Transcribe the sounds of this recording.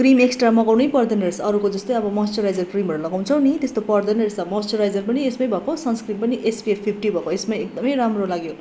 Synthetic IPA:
krimeksʈramʌɡawnʌjpʌrd̪ʌnʌɾesʌɾukod͡zʌst̪ʌjʌbʌmʌsʈʌɾajd͡zʌrkrimʌɾulʌɡaw̃t͡sʰʌw̃nit̪est̪opʌrd̪ʌnʌɾesʌmʌsʈʌɾajd͡zʌrpʌniesmʌjbʱʌkosʌnskrimpʌniʔesbiepʰpʰːipʰʈibʱʌkoesmajek̚d̪ʌmʌjɾamrolaɡjo

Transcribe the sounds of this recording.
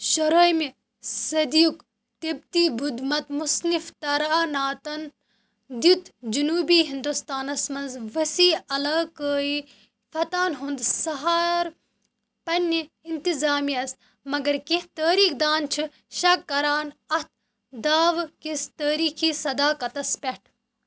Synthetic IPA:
ʃɐɾoːjmi | sɐd̪ijuk | t̪eb̚t̪iːbud̪mɐt̪musnift̪ɐɾaːnaːt̪ɐn | d̪it̪d͡ʒunuːbiːɦind̪ust̪aːnɐsmɐnzʋɐsiːɐlaːkəːi | fɐt̪aːnɦund̪sɐɦaːɾ | pɐni | int̪izaːmiːɐs | mɐɡɐɾkit̪əːɾiːkd̪aːnt͡ʃʰɨ | ʃɐkːɐɾaːnɐt̪̚ʰ | d̪aːʋkist̪əːɾiːxiːsɐd̪aːkɐt̪ɐspʲeʈʰ

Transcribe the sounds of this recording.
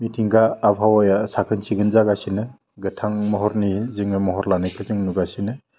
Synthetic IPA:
mitʰiŋɡaːpʰawajasakʰɯnsiɡɯnzaɡasinɯ | ɡɯtʰaŋmɔɦɔɾnizɯŋɯmɔɦɔɾlanɯjkʰɯzɯŋnuɡasinɯ

